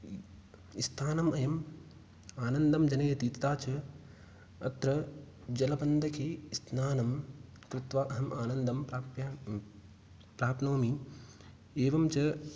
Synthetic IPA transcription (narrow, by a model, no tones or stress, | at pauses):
ist̪ʰaːnɐmɐjɐm | aːnɐnd̪ɐmd͡ʒɐnɐjɐt̪it̪t̪aːt͡ʃʰɐ | ɐ̰t̪ɾɐ | d͡ʒɐlɐbɐnd̪ʱɐkʰeːisnaːnɐmkɾɪt̪ʋaːʔɐɦɐmʔaːnɐnd̪ɐmpɾaːpjɐ | pɾaːpnoːmi | eːʋɐmt͡ʃɐ